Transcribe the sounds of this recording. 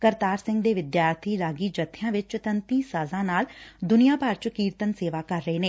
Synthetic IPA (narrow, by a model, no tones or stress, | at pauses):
kəɾt̪aːɾsɪ̃ŋɡd̪eːʋɪd̪jaːɾt̪ʰiːɾaːɡiːd͡ʒət̪ʰːɪjãːʋɪt͡ʃt̪ənt̪ĩːsaːzãːnaːld̪ʊnijaːpaɾt͡ʃkiːɾt̪ənseːʋaːkəɾːəeːneː